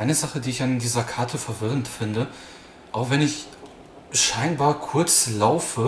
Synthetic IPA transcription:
ʔaɪnəzaχədiːɪçandiːzɐkʰaɐtʰəfɛɐvɪʁ̞əntfɪndə | ʔaʊxv̥ɛnɪç | ʃaɪnbaːɐkʰʊɐt͡slaʊfə

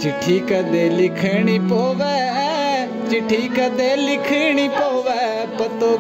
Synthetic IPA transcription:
t͡ʃɪʈʰːiːkɛd̪eːlɪkʰəɳ̃iːpoːʋɛː | t͡ʃɪʈʰːiːkəd̪eːlɪkʰeɽ̃iːpoːʋɛː | pɐt̪oː

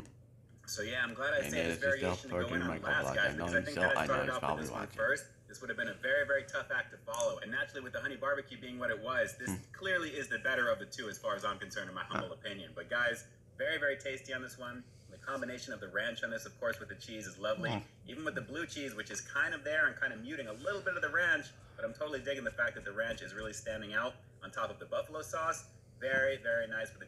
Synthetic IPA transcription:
soʊjæãɪ̃mɡlæɾaɪseɪðɪsvɛɹieɪʃn̩tʰɨɡoʊɪ̃ñəlæsɡaɪzbɨʌzaɪθɪ̃ŋkaaɪstʰɑɾɨbaʊtwɨ̰ðɪ̰swʌ̰̃nfɜ˞st̚ | ðɪswʊɾɨvbɨ̃ñɨvɛɹivɛɹitʰʌfæk̚tʰɨfɑlˠoʊɨ̃nːæt͡ʃɹl̩ˠiwɨðəhʌñibɑɹbɨkʰjʉbiɪ̃ŋwʌɾɨt̚wʌzðɪskʰl̥ɪɹlˠiɪzðɨbɛɾə˞ʌvðɨtʰʉɨz̥fɑɹɨzãɪ̃mkɨ̃n̩sɜ̃˞nɨ̃maɪhʌ̃mbl̩ˠəpʰɪ̃njɨ̃nbʌt̚ɡ̥aɪz | vɛɹivɛɹitʰeɪstiɨ̃nðɪswʌ̃n | n̩ðɨkʰɑ̃mbɨñeɪʃɨ̃nʌvðɨɹæ̃nt͡ʃn̩ðɪsʌv̥kʰɔɹswɨðɨt͡ʃʰizɨzlʌvli | ʔivn̩wɨðɨblʉt͡ʃʰizwɨt͡ʃɨz̥kʰãɪ̃ndʌvðə˞ɨ̃nkʰãɪ̃ndɨvmjʉɾɪ̃ŋəlɪɾl̩ˠbɪɾʌvðɨɹæ̃nt͡ʃ | b̥ʌɾãɪ̃mtʰoʊɾl̩ˠidɪɡɪ̃ŋðɨfæk̚ðɨt̪̚ðɨɹæ̃nt͡ʃɨzɹɪlˠistæ̃ndɪ̃ŋaʊɾ | n̩tʰɔpʌvðəbʌfəlˠoʊsɔs | vɛɹivɛɹinaɪsfə˞ðɨ

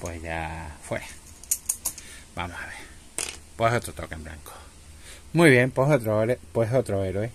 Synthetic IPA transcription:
pwehjafweɾa | ba̰mohaβeɾ | pwehot̪ɾot̪okaembɾa̰ŋko̥ | mujβjempohot̪ɾoɾepweɦot̪ɾoeɾoe

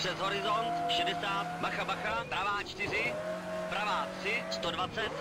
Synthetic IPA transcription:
r̥ɛzɦoɾɪzo̞nt̪ʃɛdɛsaːt̪baxabaxabɾavaːt͡ʃt̪ɪr̝ɪ | bɾavaːt̪r̥ɪst̪odvat͡sɛt̪

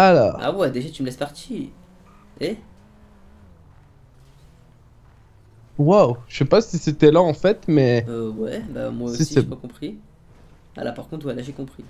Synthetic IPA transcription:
ala̰ʁa̰wɛd̪eʒat̪yməlɛspaʁt̪ʰi | e | wawʃepasiset̪ɛlaɑ̃fɛt̪mɛøwɛ̰ba̰mwasosiisɛpakɔ̃pχi | a̰la̰paʁkɔ̃t̪χwɛlaʒekɔ̃pχi

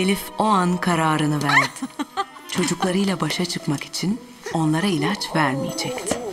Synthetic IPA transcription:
elʲifo̞ankʰaɾaːɾɯnɯvæɾd̪t͡ʃʰo̞d͡ʒuklˠaɾɯjlˠabaʃat͡ʃʰɯkmaki̥t͡ʃʰin | o̞nlˠaɾailʲat͡ʃvæɾmijed͡ʒɛct̪ɪ̥

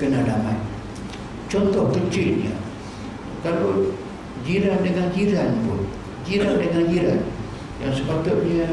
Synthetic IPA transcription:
kənadamai | t͡ʃɔnt̪ɔhkət͡ʃiḭa̰ | kalo | d͡ʒiɾandəŋand͡ʒiɾanbo̰ | d͡ʒiɾandəŋand͡ʒiɾan | ja̰ŋsəpat̪uʔmia

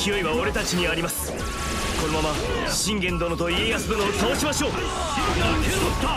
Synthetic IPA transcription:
kʲijo̞iβaoɾe̞t̪at͡ɕiɲ̟iaɾʲimasɨ̥ | ko̞no̞mama | ɕĩŋɡẽ̞nd̪o̞not̪o̞ie̞jasɨd̪onoːt̪ao̞ɕimaɕo̞ː

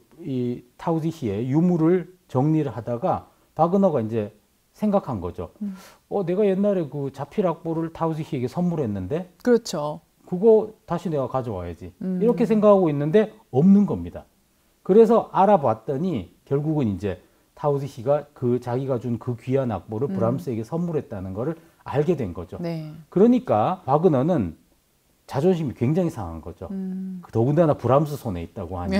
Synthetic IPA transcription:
itʰaudiɕie̞jumuɾɯɭt͡ɕʌŋɲiɾɯɭɦadaɡa | paɡɯnʌɡaind͡ʑe̞ | sʰeŋɡakʰanɡʌd͡ʑo̰ | ʌne̞ɡaje̞nːaɾekɯt͡ɕapʰiɾak̚p͈oɾɯɭtʰaudiɕʰie̞ɡe̞sʰʌnmuɾɦe̞nːɯnde̞kɯɾʌt͡ɕʰo | kɯɡʌtaɕʰine̞ɡakad͡ʑʌwa̰jad͡ʑiiɾʌkʰe̞s̬ʰe̞ŋɡakʰaɡoinːɯnde̞ | ʌmnɯnɡʌmɲida̰ | kɯɾe̞s̬ʰʌʔaɾabwat̚t͈ʌɲikjʌɭɡuɡɯnind͡ʑe̞ | tʰausiɕʰiɡakɯt͡ɕaɡiɡad͡ʑunkɯkɥiana̰k̚p͈oɾɯɭpuɾams͈ʰɯe̞ɡe̞sʰʌmmuɾɦe̞t̚t͈anɯnɡʌɾɯɾ | a̰ɭɡe̞dwe̞nɡʌd͡ʑonekɯɾʌɲik͈apaɡɯnʌnɯn | t͡ɕad͡ʑonɕʰimikwe̞ŋd͡ʑaŋisʰaŋɦanɡʌd͡ʑo̰ktʌɡɯndanapuɾams̬͈ʰɯsʰone̞it̚t͈aɡoha̰ɲ

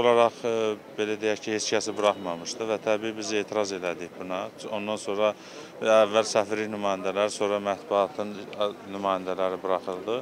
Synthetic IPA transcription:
olˠɑɾɑχbe̞læd̪ejæçcʰihe̞t͡ʃcʰæsibɯɾɑχmɑmɯʃd̪ɯvæt̪ʰæbiːibize̞ːt̪ʰiɾɑze̞læd̪içbunɑo̞nd̪ɑnso̞nɾɑ | ævːælsæfiɾlinymɑːjind̪ælæɾso̞ɾɑmæt̪buɑt̪ʰɯnnymɑːjind̪ælæɾibɯɾɑχɯlˠd̪ɯ

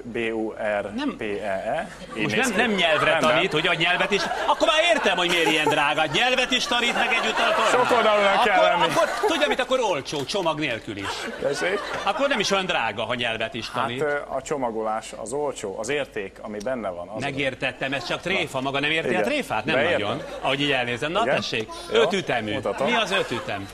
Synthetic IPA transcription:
beːuɛrnɛmpeːɛɛ | emoʃnɛmnɛmɲɛlvrɛɒniːt̪huɟɛɦoɟɲɛlvɛt̪iʃɒkːormaːɾeːrt̪ɛmho̞ɟmeːɾiɛnd̪raːɡɒɲɛlvɛt̪iʃt̪ɒniːt̪mɛɡɛɟːut̪ːɒlt̪oʃoold̪ɒluɛlːɛnːikkːort̪uɟːɒmint̪ɒkːo̞ɾo̞lt͡ʃoːt͡ʃo̞mɒɡneːlkylḭʃɛʃeːkɒkːornɛmiʃojɒnd̪raːɡɒɦoɲɛlvɛt̪iʃt̪ɒniːt̪ɒt͡ʃomɒɡolaːʃɒ̰zolt͡ʃoːʔɒzeːrt̪eːkkɒmibɛnːɛvɒ̰nmɛɡeːrt̪ɛt̪ːɛmɛst͡ʃɒkt̪reːfɒmɒɡɒnɛmeːrt̪iɒt̪reːfa̰ːt̪nɛmɒɟonɒ̰ɦo̞ɟiːɟɛlneːzɛmnt̪ɛʃːeːɡ | øt̪yt̪ɛmyt̪miɒzøt̪yt̪ɛ̰m

